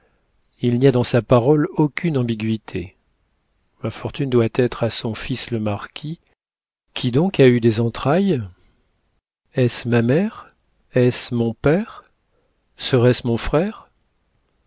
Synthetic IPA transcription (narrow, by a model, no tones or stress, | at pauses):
ilniad̪ɑ̃sapaʁɔlokʲynɑ̃biɡʲɥit̪ʰe | mafɔʁt̪ynd̪wat̪ɛt̪χasɔ̃fisləmaʁkʲʰi | kʲʰid̪ɔ̃kayd̪ezɑ̃t̪χaj | ɛsmamɛʁ | ɛsmɔ̃pɛʁ | səʁɛsmɔ̃fχɛʁ